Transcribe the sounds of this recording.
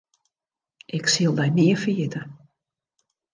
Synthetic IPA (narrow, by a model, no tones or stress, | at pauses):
ʔɪksiəlˠbɛjniəfiətə